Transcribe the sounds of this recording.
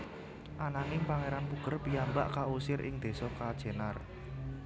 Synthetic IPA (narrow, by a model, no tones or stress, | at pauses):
ʔanaŋimpaŋeɾanpuɡ̥ə̤rpiamba̰ʔkausɪɾʔɪ̰ŋd̪̥e̤sɔkad̥ʒ̥e̤nar